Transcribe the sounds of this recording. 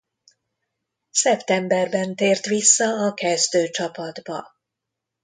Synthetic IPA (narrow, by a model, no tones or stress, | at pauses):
sɛpt̪ɛmbɛrbɛnt̪eːrt̪ʋisːɒɒkɛzd̪øːt͡ʃɒpɒd̪bɒ̰